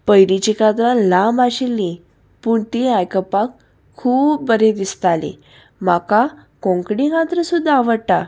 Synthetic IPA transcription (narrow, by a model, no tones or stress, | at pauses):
pəjɾit͡ɕikat̪ɾãlambaɕelːĩ | puːɳt̪iajkəpakʰː | uːp̚bəɾed̪ist̪alḛ̃ | m̤akakɔ̃ŋkɽiɦat̪ɾəsud̪ʱːaːʋəɽʈ̪a